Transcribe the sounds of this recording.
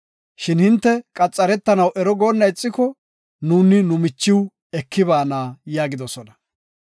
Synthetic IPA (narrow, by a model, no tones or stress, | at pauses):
ʃɪnhɪnt̪ːɛkʼɐt͡sʼːɐɾɛt̪ːɐnɐwʔɛɾɔɡoːnːɐjt͡sʼːɪkɔ | nuːnɪnʊmɪt͡ʃːɪw | ɛkʰːɪbaːnaːjaːɡɪd̪ɔsɔnɐ